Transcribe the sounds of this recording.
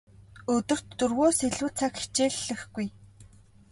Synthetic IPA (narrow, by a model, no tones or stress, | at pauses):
ɵt̪ɵ̆r̥t̪ːɵrɣoːseɮuːt͡sʰakxe̥t͡ɕeːɮːɘ̆xɡuj